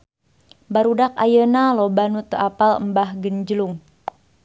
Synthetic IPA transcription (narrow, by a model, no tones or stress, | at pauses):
baɾudaka̰jənalobanut̪əʔapalə̰mbahɡəɲd͡ʒəluŋ